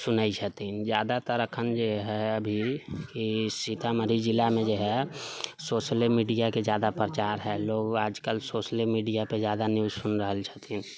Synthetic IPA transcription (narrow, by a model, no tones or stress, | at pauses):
sʊnait͡ʃʰət̪ind͡ʒjaːd̪at̪əɾəkʰənd͡ʒoɦɛəbʱikisit̪ʰaməɾid͡ʒɪlamẽd͡ʒoɦɛsoːʃəlmiːɖijakezjaːd̪apɾət͡ʃaːɾɦɛloːɡaːd͡ʒkəlsoːʃəlmiːɖijapezjaːd̪anjuːzsʊnɾəɦəlt͡ʃʰət̪in